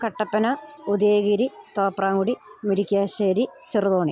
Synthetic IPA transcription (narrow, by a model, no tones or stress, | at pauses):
kɐʈːɐpːɐnɐud̪eːɣiɾit̪oːpraːŋɡuɽimiɾikʲːaːɕeːɾit͡ɕiruðoːɳi